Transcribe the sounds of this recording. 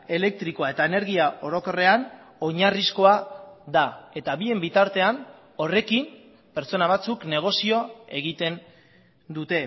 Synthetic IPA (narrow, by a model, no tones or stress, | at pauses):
e̞le̞k̚t̪ɾiko̞ae̞t̪aene̞ɾɣiao̞ɾo̞ko̞re̞an | o̞ɲarisko̞aðae̞t̪aβie̞mbit̪aɾt̪e̞an | o̞re̞kim | pe̞ɾt͡so̞naβ̞at͡sukne̞ɣ̞o̞sio̞e̞ɣ̞it̪e̞n | d̪ut̪e̞